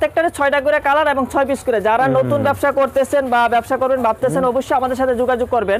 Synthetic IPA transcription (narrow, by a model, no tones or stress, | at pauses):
t̪ːek̚ʈaɾet͡ɕʰɔjʈaɡuɾekalaɾeboŋt͡ɕʰɔjbiskuɾed͡ʑaɾanot̪unbɛbʃakoɾt̪et͡ɕʰenbabɛbʃakoɾbenbab̚t̪et͡ɕʰenɔboʃːojamad̪eɾʃat̪ʰed͡ʑuɡad͡ʑoɡ̚koɾben